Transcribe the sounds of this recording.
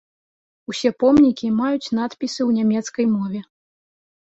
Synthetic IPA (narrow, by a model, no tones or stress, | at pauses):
usʲɛpɔmnʲikʲimajut͡sʲn̪at̪pʲisɨwnʲamʲɛt̪skɐjmɔvʲɛ